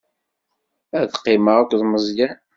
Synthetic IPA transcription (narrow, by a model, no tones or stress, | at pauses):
æðqːiməʁakʷðməzˤjæ